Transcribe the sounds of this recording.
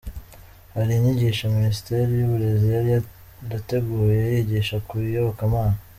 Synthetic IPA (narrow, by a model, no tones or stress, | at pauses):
haɾiiɲiɟiːʃaminisi̥te̞ɾijuβuɾe̞zijaɾija | ɾate̞ɡuːjeajiɟiːʃakujoβokamaːna